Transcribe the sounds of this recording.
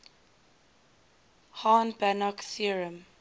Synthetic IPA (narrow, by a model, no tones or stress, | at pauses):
hanbanɔksiɹə̃m